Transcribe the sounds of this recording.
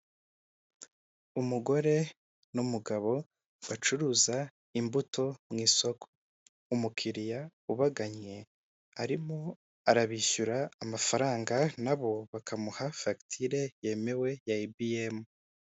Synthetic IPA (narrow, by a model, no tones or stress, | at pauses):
umuɡo̞ɾe̞ | numuɡaβo̞ | wat͡ʃuɾuːza | imbutʰo̞mŋiːso̞kʰo̥ | umukʰiɾijauβaɡaɲe̞ | aɾimo̞ | aɾaβiʃuɾaːmafaɾaːŋɡanaβo̞βakʰamuhafaki̥tʰiɾe̞je̞me̞we̞jaibiemu